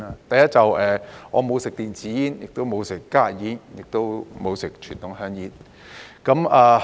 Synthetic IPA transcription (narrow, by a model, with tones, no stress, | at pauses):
a˧t̪ɐ˨jɐ˥t̚t͡sɐ˨wʔɛː˨ŋɔː˨˧mo˨˧wsɪ˨k̚t̪iː˨nt͡siː˨˥jiː˦˥njɪ˨k̚t̪o˥wmo˨˧wsɪ˨kːaː˥jiː˨˥njɪ˨k̚t̪o˥wmo˨˧wsɪ˨k̚t͡ʃʰyː˨˩nt̪ʊ˨˥ŋhœː˧˥ŋjiː˨˥n | kɐ˨˥maː˨˧